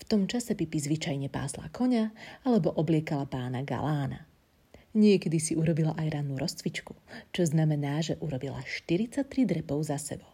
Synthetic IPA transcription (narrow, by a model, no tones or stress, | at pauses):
ft̪ɔmt͡ʃasɛpipizʋit͡ʃajɲɛpa̰ːsla̰kʰɔɲaalɛbɔʔɔblɪɛkalapaːnaɡa̰laːna̰ | ɲɪɛkɛd̪isiuɾɔbilaʔajɾanuɾɔst͡sʋit͡ʃku̥t͡ʃɔznamɛnaːʒɛʔuɾɔbila̰ʃt̪iɾit͡sat̪ːɾid̪ɾɛpɔʊzasɛ̰bɔ